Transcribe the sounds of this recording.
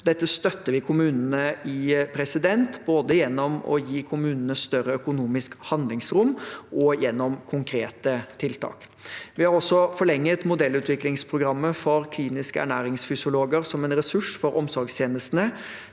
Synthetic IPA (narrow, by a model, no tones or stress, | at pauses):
d̪ɛt̪ːəst̪œt̪ːəʋɪkʰʊmʉːnənəɪpʰɾɛsɪd̪ɛnt̪boːd̪əjɛnːɔmɔ̰jiːkʰʊmʉːnənəst̪œɾəœkʊnuːmɪskhɑnd̪lɪŋsɾʊmʔɔjɛnːɔmkʰʊŋkʰɾeːt̪ət̪ʰɪlt̪ʰɑ̰ːk | ʋɪhɑɾɔsːɔfɔɭɛŋːət̪mʊd̪ɛlːʉːt̪ʋɪklɪŋspʰɾʊɡɾɑmːəfɔɾkʰliːnɪskəæ̰ɳæːɾɪŋsfʏsɪʊloːɡəɾsɔmɛnɾɛsʉʂfɔɾʔɔmsɔɾɡst̪jeːnəst̪nə